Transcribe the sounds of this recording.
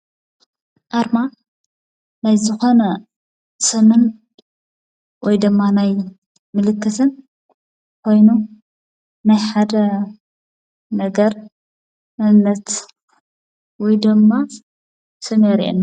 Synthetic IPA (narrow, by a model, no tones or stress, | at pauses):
ʔaɾma | najzɨxo̞nɐ | sʼɨmɨn | wɔjd̪ɨmːanaj | mɨlɨkːɨt̪ʰɨn | kʰo̞jnu | najħad̪ɐ | nɐɡɐɾ | mɐnːɐt̪ | wɔjd̪ɨmːa | sʰɨmɐɾḭʔḛn